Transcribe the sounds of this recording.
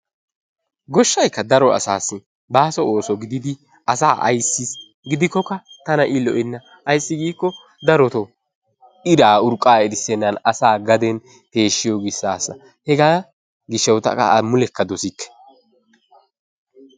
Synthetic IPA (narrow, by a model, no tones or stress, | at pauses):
ɡɔʃːɐjkːɐd̪ɐɾɔɐ̰saːsːɪ | baːsɔo̞ːsɔɡɪd̪ɪd̪ɪ | ɐsaːʔɐ̰jsːɪs | ɡɪd̪ɪkːɔkːɐt̪ɐnɐʔɪlɔ̰ʔɛnːɐ | ɐjsːɪɡiːkːɔ | d̪ɐɾɔt̪ɔ | ɪdaːʊɾkʼːaːɛdɪsɛnːɐnɐsaːɡɐd̪ɛn | t̪e̞ːʃːɪjɔɡɪsːaːsːɐ̰ | hɛɡaː | ɡɪʃːɛwt̪ɐ̰kʼɐ̰mʊlɛkːɐd̪ɔsɪkːɛ̥